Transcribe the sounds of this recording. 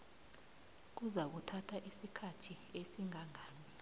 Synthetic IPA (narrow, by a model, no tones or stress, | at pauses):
k̬uzak̬utʰatʰaʔisikʰatʰiesiŋaŋaːni